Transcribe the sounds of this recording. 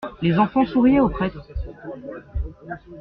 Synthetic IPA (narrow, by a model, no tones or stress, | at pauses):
lezɑ̃fɑ̃suʁijɛopχɛt̪χ